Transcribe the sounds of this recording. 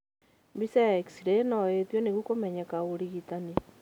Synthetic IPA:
misaeksiɾenɔet̪wɔneɣukomɛɲɛkaoɾiɣitane

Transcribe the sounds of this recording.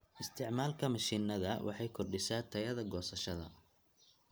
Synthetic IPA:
ʔɪst̪ʰɪʕmaːlkʰɐmɐʃiːnɐðɐwʔɑ̰ħɑjkʰɔrɖɪsaːt̪ʰɐjɐðɐɡɔːsɐʃɐðɐ̰

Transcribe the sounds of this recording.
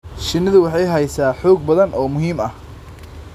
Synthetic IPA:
ʃɪnːɪðʊwɑħɑjɦɛjsaːħɔːɡ̚bɐðɐnʔɔːmʊɦiːmɐh

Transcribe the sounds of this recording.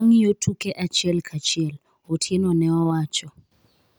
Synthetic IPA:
ŋijotʰukɛʔat͡ʃʰɛlkʰat͡ʃʰiɛl | otʰiɛnɔnɛwawaːt͡ʃʰɔ

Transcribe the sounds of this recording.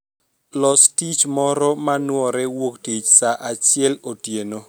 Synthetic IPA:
lɔstit͡ʃmɔɾɔmanwɔɾɛwoktit͡ʃsaʔat͡ʃɪɛlotjeno

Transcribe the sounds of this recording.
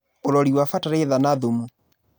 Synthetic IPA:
oɾɔɾiwafataɾeðanaðomu

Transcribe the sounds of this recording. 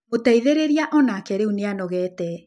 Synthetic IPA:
motɛiðeɾeɾiaʔɔnakɛɾeuneanɔɣɛːtɛ

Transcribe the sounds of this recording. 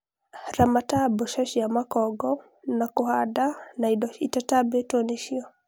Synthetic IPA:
ɾamatabɔʃaʃijamakɔɡɔ | nakuhadanaitatabɛtɔniʃiɔ

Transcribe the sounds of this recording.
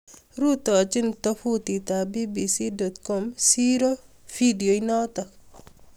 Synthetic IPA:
ɾutɔt͡ʃintɐfutitabibisidɔt̪kɔmsiɾofidiojnɔtɐk

